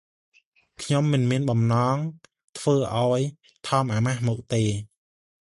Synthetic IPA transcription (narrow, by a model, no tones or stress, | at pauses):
kʰɲomːɨnmiənɓɑmnɑːŋ | t̪ʰʋəːʔaɔj | t̪ʰɑːmʔaːmahmɔːk̚t̪eː